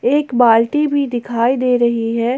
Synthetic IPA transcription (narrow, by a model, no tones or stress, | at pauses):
eːkbaːlʈibʱid̪ɪkʰaːid̪eːɾɐɦiɦɛː